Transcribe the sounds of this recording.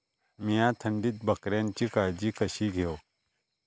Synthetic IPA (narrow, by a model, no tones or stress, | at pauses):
mijãːt̪ʰəɳɖit̪̚bɐkɾeːnt͡ʃikaːd͡ʑiːkəɕiːɡʱoː